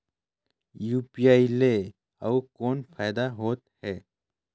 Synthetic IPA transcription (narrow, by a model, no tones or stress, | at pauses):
juːpiaːile | awkoːnpʰaːɪd̪aɦoːt̪̚hɛː